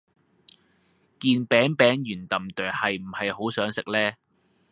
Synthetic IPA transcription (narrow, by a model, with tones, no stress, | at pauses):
kiː˧npɛː˨˥ŋpɛː˨˥ŋjyː˨˩nt̪ɐ˨mt̪œː˨˩hɐ˨jm̩˨˩hɐ˨jho˨˥wsœː˨˥ŋsɪ˨k̚lɛː˥